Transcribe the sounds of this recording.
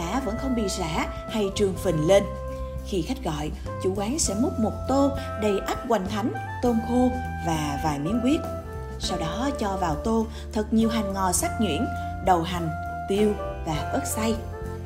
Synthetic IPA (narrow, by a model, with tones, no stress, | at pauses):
a̰ː˧˥və̰˧˥nxə˧wŋ͡mɓḭ˧˨za̰ː˧˥ | ha˧jt͡ɕɨ˨˩əŋfi˨˩nle˧n | xi˧xa˦˥k̟̚ɣɔ̰˧˨j | t͡ɕṵ˧˩ʔwaː˨˦nsɛ̰˧˥mʊ˦˥k͡p̚mo˨˩t̚t̪o˧ | ɗə˨˩jʔaː˦˥p̚ɣwa˨˩jŋ̟t̪ʰa˨˦jŋ̟ | t̪əː˧mxo˧ | vaː˨˩vaː˨˩jmḭ˨˧˥ənkwi˦˥ət̚ | sa˧wɗɔ˨˦t͡ɕɔ˧vaː˨˩wt̪o˧ | t̪ʰə˨˩k̚ɲi˨˩əwɦa˨˩jŋ̟ŋɔ˨˩saː˦˥k̚ŋwḭ˧˥ən | ɗə˨˩wɦa˨˩ŋ̟ | t̪i˧əw | vaː˨˩ʔəː˦˥t̚sa˧j